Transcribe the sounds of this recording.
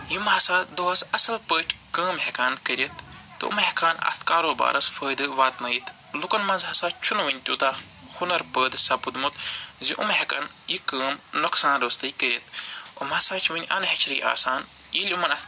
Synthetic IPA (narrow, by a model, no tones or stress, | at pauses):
jimɦɐsaːd̪oɐsɐsɐlpəːʈʰʲkəːmɦekaːnkəɾʲit̪ː | ɨ̰ṵmɦekʰaːnɐ̰t̪ʰkaːɾoːba̰ːɾɐsfəːjd̪ɨʋaːt̪nɐːjit̪ | lukɐnmɐnzɦɐsaːt͡ʃʰunʋɐnʲt̪ʲuːt̪aː | hunɐɾpəːd̪ɨsɐpud̪mut̪ziʔṵmɦekɐ̰n | jikəːmnuksaːnɾəst̪ɨjkəɾʲit̪̚o̰mɐsaːt͡ʃʰʋɐnʲʔɐnɦet͡ʃʰɾɨjʔa̰ːsaːn | jilʲumɐnɐt